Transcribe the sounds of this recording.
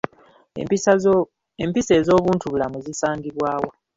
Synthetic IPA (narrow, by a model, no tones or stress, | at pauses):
empise̞ːzo̞ːβuːntuβulamuzisaːŋɡiβwaːwo